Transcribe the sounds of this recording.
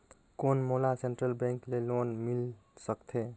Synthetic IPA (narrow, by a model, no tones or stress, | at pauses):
konmolaseɳʈɾəlbɛ̃ŋklelonmilsəkt̪ʰe